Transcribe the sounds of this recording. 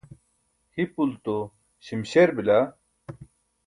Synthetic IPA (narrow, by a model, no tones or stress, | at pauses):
hipult̪o | ɕimɕeɾbila